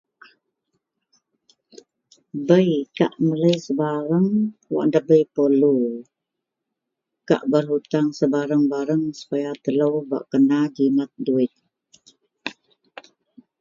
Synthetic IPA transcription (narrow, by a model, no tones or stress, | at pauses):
bəjka̰ʔmələjsəbaɾəŋwa̰ʔndəbəjpəlu | ka̰ʔbərɦut̪aŋsəbaɾəŋbaɾəŋsə̥pajat̪ələwba̰ʔkənad͡ʒimat̪̚duɪt̪̚